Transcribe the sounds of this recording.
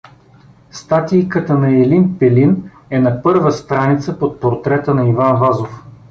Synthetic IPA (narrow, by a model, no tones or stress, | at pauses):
st̪at̪ijkət̪ənɐɛlinpɛlin | ɛnɐpɤɾvəst̪ɾanit̪səpot̪̚poɾt̪ɾɛt̪ənɐivanvazof